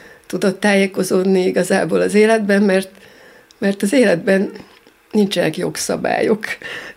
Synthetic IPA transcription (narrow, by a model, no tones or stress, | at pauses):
t̪ud̪o̞t̪ːaːjeko̞zoːd̪niiɡɒzaːboːlɒzeːlɛd̪bɛmmɛrt̪ | mɛrt̪ɒzeːlɛd̪bɛn | nːint͡ʃɛnɛkjo̞ksɒ̰ba̰ːjok